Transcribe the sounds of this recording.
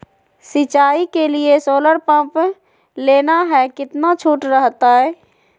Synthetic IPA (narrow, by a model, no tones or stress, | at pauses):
sɪt͡ʃaːikeliesoːləɾpãːp | leːnaɦɛkɪt̪nat͡ʃʰuːʈɾəɦt̪aɦɛː